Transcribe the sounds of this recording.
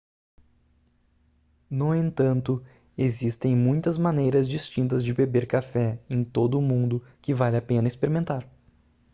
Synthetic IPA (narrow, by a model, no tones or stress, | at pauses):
nʊẽnt̪ɐ̃nt̪ʊ | ezist̪ẽj̃mũj̃t̪ɐzmɐnejɾɐzd͡ʒist͡ʃĩnt̪ɐzd͡ʒɪbebeɾkafɛẽj̃t̪od̪ʊːmũnd̪ʊkɪvalɪapẽnɐispeɾimẽnt̪aɾ